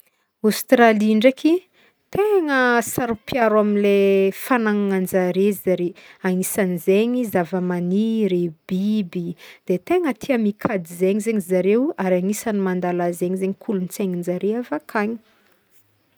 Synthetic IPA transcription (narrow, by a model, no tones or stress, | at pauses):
ast̪raliɳɖ͡ʐakʰi | t̪eŋəsaɾupjaɾwaminlefanaŋaŋand͡zaɾezaɾeaŋisanizeɲizavəmaniɾeb̥ibid̪̥et̪eŋət̪ʰiamikʰad̪izeɲizeɲizaɾewaɾaŋisanimand̪alazeɲizeɲikʰulunit͡seɲind͡zaɾeavakʰaɲi̥